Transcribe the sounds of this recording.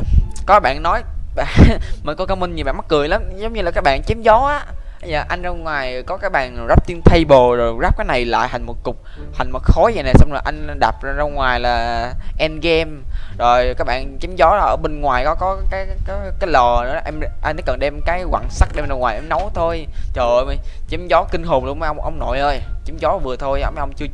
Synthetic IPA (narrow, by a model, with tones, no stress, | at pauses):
kɔ˨˦kaː˦˥ɓa̰ː˧˨nnɔ˨˦jvaː˨˩mi˨˩ŋkɔ˨˦kaː˨˦wmi˧ŋ̟ɲi˨˩ɓa̰ː˧˨ma˦˥kːɨ˨˩əjlaː˨˦mzə˨˦wŋ͡mɲɨ˧laː˨˩kaː˦˥k̚ɓa̰ː˧˨nt͡ɕe˨˦mzɔ˨˦ʔaː˨˦ | ə˨˦jzəː˨˩ʔa˧jŋ̟za˧wŋwaː˨˩jkɔ˨˦kaː˦˥k̚ɓa̰ː˧˨nzaː˦˥p̚t̪i˧ənt̪ʰə˧jɓo˨˩zo˨˩jzaː˦˥p̚kaː˨˦jna˨˩jla̰ː˧˨jha˨˩jŋ̟mo˨˩t̚kʊ˨˩k͡p̚ | ha˨˩jŋ̟mo˨˩t̚xo˨˦jzə̰˨na˨˩sa˧wŋ͡mzo˨˩jʔa˧jŋ̟ɗaː˨˩p̚zza˧wŋwaː˨˩jlaː˨˩ʔɛ˧nɣɛ˧mzo˨˩jkaː˦k̚ɓa̰ː˧˨nt͡ɕi˨˦mzɔ˨˦lʔəː˧˩ɓe˧nŋwaː˨˩jkɔ˨˦kɔ˨˦kaː˨˦jkːkaː˨˦jlɔ˨˩nɨ˧˦˨ʔɛ˧mʔa˧nːa˨˦kə˨˩nɗɛ˧mkaː˨˦jkwa̰ː˧˨nsa˦˥k̚ɗe˧ə˧nzə˧ŋwaː˨˩jʔɛ˧mnə˨˦wt̪ʰo˧j | t͡ɕəː˨˩ʔjma˨˩t͡ɕi˨˦mzɔ˨˦kï˧ŋ̟ɦoː˨˩ŋ͡mlu˧ə˧mː˧˦jʔwŋ͡mʔə̰˧wŋ͡mno̰˧˨jʔəː˧jt͡ɕi˨˦mzɔ˨˦˨vɨ˨˩ət̪ʰo˧jə˧wm˧ʔə˧wŋ͡mt͡ɕɨ˧ə